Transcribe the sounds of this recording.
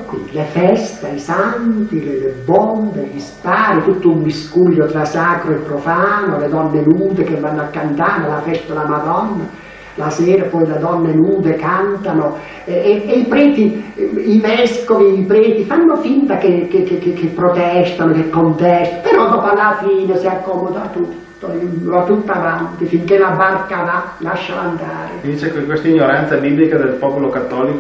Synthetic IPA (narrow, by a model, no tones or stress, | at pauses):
kːwḭlefɛst̪aisant̪ilelebːɔnd̪ed̪ispaːɾit̪ut̪ːoumbiskulːot̪ɾasaːkɾoepːɾofaːnoled̪ɔnːenuːd̪ekevːanːoakːant̪aːɾelafɛst̪alamad̪ɔnːa | lasɛːɾapɔjled̪ɔnːenuːd̪ekant̪ano | ɛeeipɾɛːt̪iivɛskoviipɾeːt̪ifanːofint̪akekekekekːepːɾot̪ɛst̪anokekːont̪ɛst̪apeɾɔd̪ɔːpoalːafiːnesiakːɔːmod̪aat̪ːut̪ːoat̪ːut̪ːavant̪ɪfiŋkelabarkavalaʃːaand̪aːɾed̪it͡ʃekkwest̪aiɲːoɾant̪sabiːblikad̪elpɔpolokat̪ːɔːlik